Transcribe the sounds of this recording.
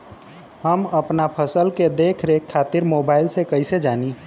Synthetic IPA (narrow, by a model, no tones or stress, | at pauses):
həməpnapʰəsəlked̪eːkʰɾekʰːaːt̪iɾmoːbaːɪlsekəɪsed͡ʒaːni